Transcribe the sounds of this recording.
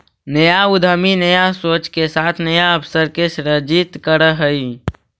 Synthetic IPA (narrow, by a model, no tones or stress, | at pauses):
nəjaʊd̪ʱəminəjasoːt͡ʃkesaːt̪ʰnəjaəpʰsəɾkeʃɾəd͡ʒit̪kəɾəɦəi